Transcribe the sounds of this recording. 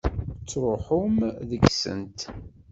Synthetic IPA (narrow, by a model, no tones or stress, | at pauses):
t͡sːɾˤʊħʊmðəɡsə̰nt̪